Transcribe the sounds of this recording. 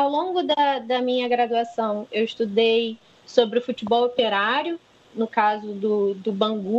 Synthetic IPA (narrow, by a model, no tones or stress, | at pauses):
awlõɡʊd̪ɐd̪ɐmĩɲɐɡɾad̪uasɐ̃w̃ewɪst̪ud̪ej | sobɾɪʊfut͡ʃibɔwopeɾaɾjʊ | nʊkazʊd̪ʊd̪ʊbɐ̃ŋɡu